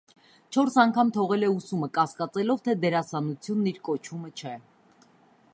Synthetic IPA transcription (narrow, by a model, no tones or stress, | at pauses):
t͡ʃʰɔɾsɑŋkʰɑmt̪ʰɔʁɛlɛusuməkɑskɑt͡sɛlɔvt̪ʰɛd̪ɛɾɑsɑnut͡sʰjunːiɾkɔt͡ʃʰumət͡ʃʰɛ